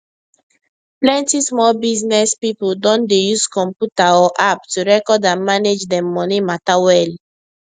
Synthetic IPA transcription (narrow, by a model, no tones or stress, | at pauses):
plɛ̃ntismɔlbiznɛspipodɔ̃ndejuskɔ̃mpjutaɔʔap̚tuɹɛkɔdãnmaned͡ʒdɛ̃mːɔnimatawɛl